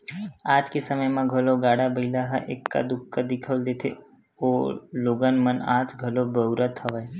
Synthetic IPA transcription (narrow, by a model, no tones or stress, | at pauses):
ad͡ʒkisəməjmãɡʱəloɡaɽabəilaɦa̰ʔekːa̰d̪ʊkːad̪ikʰəld̪et̪ʰḛ | oloɡənməna̰d͡ʒɡʱəlobəwɾʔət̪ʰːəʋaj